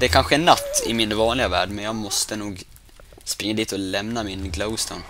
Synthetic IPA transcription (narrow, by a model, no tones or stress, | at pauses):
d̪ɛæɾkʰanɧəɛnːat̪ːɪ̰mɪnvɑːnlɪɡavæːɖmɛnjɑːɡmɔst̪ənuːɡ | spɾɪŋːad̪iːt̪ɔlɛmnamɪnɡloʊst̪ʰə̰n